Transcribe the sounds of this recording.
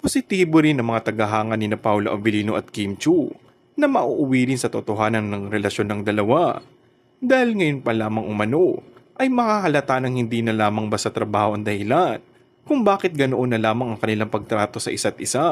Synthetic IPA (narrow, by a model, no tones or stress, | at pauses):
posɪt̪iːboɾɪnɐŋmɐŋat̪ɐɡɐɦaːŋɐnɪnɐpawloʔɐvɪliːnoʔɐt̪̚kimt͡ʃu | nɐmɐʔuʔʊwiːɾɪnsɐt̪ot̪o̞ɦaːnɐnnɐŋɾɛlɐʃjo̞nːɐŋd̪ɐlɐwa | d̪aːhɪlŋɐjo̞npɐlaːmɐŋʔʊmɐno̞ʔɐjmɐkaːkɐlɐt̪anɐŋhɪnd̪iːnɐlaːmɐŋbɐsɐt̪ɾɐbaːho̞ʔɐŋd̪ɐhɪlan | kʊŋbaːkɪt̪̚ɡɐnoʔonːɐlaːmɐŋɐŋkɐnɪlaŋpɐɡ̚t̪ɾaːt̪o̞sɐʔɪsat̪̚ʔɪsa